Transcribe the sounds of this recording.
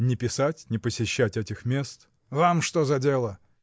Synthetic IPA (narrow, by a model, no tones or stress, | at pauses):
nʲɪpʲɪsatʲnʲɪpəsʲɪɕːætʲɛtʲɪxmʲe̞st̪ | vamʂt̪ozɐdʲelˠə